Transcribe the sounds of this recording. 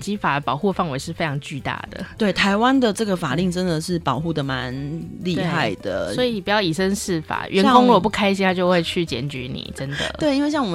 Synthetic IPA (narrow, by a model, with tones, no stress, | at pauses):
t͡ɕi˥fa˨˩d̪ə˩pɑ˨˩ʊxu˥˩fɑ˥˩ŋwe˧˥ɪʂɻ̩˥˩fe˥ɪʈ͡ʂʰɑ˧˥ŋt͡ɕy˥˧t̪a̰˥˩d̪ə̰˩t̪we˥˩ɪt̪ʰa˧˥ɪwa˦nd̪ə˨ʈ͡ʂɤ˥˩ɡə˩fa˨˩li˥˩ŋʈ͡ʂə˦nd̪ə˨ʂɻ̩˥˩pɑ˨˩ʊxu˥˩d̪ə˩ma˧˦nli˥˧t̪e˥xa˥˩ɪd̪ə˩swɔ˧˥i˨˧ni˨˩pu˩jɑ˥˩ʊi˨˩ʂə˦˥nʂɻ̩˥˩fa̰˨˩ɥʔɛ˨˧˥kʊ˥ŋlwɔ˨˩p̬u˥˩kʰa˥ɪɕi˥t̪ʰa˥t͡ɕjo˥˧ʊxwe˥˧ɪt͡ɕʰy˥˩t͡ɕjɛ̰˨˥nt͡ɕy̰˧˥nḭ˨˩ʈ͡ʂə˦nd̪ə̰˨we˥˩ɪi˥nwe˥˧ɪɕjɑ˥˩ŋwɔ˨˩